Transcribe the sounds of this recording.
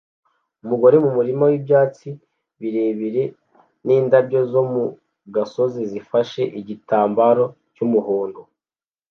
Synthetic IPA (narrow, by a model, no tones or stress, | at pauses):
umuɡo̞ɾe̞mumuɾimawibjaːt͡si | βiɾe̞ːβiɾe̞ | niːndabɟo̞zo̞mu | ɡaso̞zizifaʃe̞ʔiɟitaːmbaɾo̞ | cumuhoːndo